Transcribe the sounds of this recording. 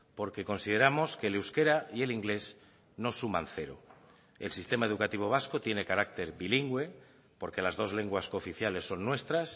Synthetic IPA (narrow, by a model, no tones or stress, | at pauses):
po̞ɾke̞ko̞nsið̞e̞ɾamo̞skelewske̞ɾaie̞liŋɡle̞s | no̞sumã̰nθe̞ɾo̰ | elsist̪e̞maeð̞ukat̪iβ̞o̞β̞asko̞t̪je̞ne̞kaɾak̚t̪e̞ɾβiliŋɡwe̞ | po̞ɾke̞lazð̞o̞zle̞ŋɡwasko̞fiθjale̞sːo̞nːwe̞st̪ɾas